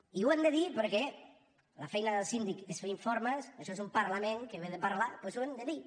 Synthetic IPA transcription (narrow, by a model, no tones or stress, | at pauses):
iwend̪eðipəɾkɛ | lafɛjnaðelˠsind̪ikesfeiɱfoɾmasɐʃɔezumpaɾlameŋkeβeðepaɾlapwesuend̪eði